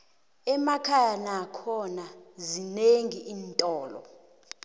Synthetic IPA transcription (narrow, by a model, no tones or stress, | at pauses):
ɛmakʰajanakʰɔnazineŋiʔiːntʼɔːlɔ̰